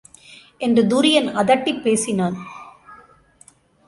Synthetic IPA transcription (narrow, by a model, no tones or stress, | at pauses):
ʔɛndrɯd̪uːɾɪjɐnɐðɐʈːipːeːsɪnaːn